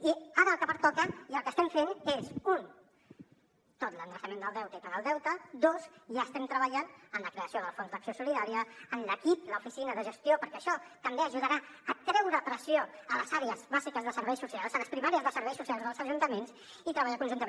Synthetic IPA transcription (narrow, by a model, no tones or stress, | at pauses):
iaɾəlˠkəpəɾt̪ɔkəiəlˠkəst̪ɛɱfenezun | t̪ot̪lənd̪ɾəsəmẽnd̪əlˠɛwt̪əipənəlˠd̪ɛwt̪əd̪ozʒaəst̪ɛmt̪ɾəβəʎanənləkɾeəsioðəlˠfonzðəksiosuliðaɾiəːnləkip̚ləufisinəðəʒəst̪iopəɾkɛəʃɔt̪əmbeəʒuð̞əɾa | ət̪ɾɛwɾəːpɾəsioələzaɾeəzβazikəzðəsəɾβɛjsusialˠzələspɾimaɾiəzðəsəɾβɛjsusialˠzðəlˠzəʒunt̪əmens | it̪ɾəβaʎakunʒunt̪ə